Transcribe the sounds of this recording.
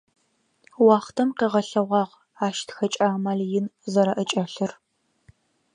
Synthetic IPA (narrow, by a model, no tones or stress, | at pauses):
wɑːχtʰɐmqiːʁɐɬɐʁʷɑːʁ | aːʃtʰxɐt͡ʃʼaːmaːɮjɪnzɐɾɐʔət͡ʃʼɐɬɨr